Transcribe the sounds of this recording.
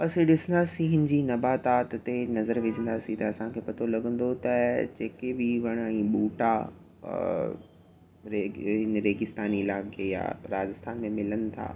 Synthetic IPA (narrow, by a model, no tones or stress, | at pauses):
pɐsĩɗɪsə̃nd̪aːsĩɦɪ̃nɪ̆d͡ʑinɐbaːt̪aːt̪t̪enɐzəɾʋɪd͡ʑʱə̃nd̪aːsĩt̪ɐɐsãkʰeːpɐt̪ʰolɐɡə̃n̆d̪ot̪ɐd͡ʑeːkebɪʋɐɽ̃ɛ̃ːɓuːʈa | ɾeɦɪnɾeːɡɪst̪aːnilaːɡeja̰ːɾaːd͡ʑɪst̪ʰaːnmẽmɪlənɪ̆t̪ʰa̰ː